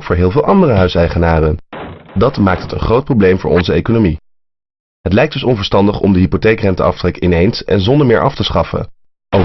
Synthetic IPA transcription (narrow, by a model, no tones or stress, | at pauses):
kfʊːɹɦɪːlˠvɪːlˠʔɑndərəɦœɥsɛjχənaːrəndɑtmaːk̚tɦətə̰nχrowt̚prowblejmvʊ̰ːɹɔnzəejkonomi | ɦətlɛjk̚d̥ɵsɔnvəɹstɑndəχɔ̰mdəɦipotejkrɛntəɑ̰ftrɛkəɪnejnsɛ̰nzɔndəɹmɪːɹʔɑftəsχɑfə̰ | o